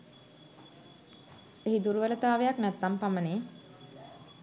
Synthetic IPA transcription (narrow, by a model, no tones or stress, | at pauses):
eɦid̪uɾuʋələt̪aːʋejaknæt̪ːampaməneː